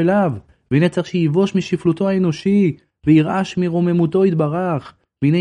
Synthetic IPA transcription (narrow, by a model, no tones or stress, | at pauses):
elav | veinet͡saχʃejivo̞ʃmiʃiflut̪o̞haeno̞ʃi | vejiʁʔaʃmiʁo̞me̞mut̪o̞it̪̚baʁaχ | veine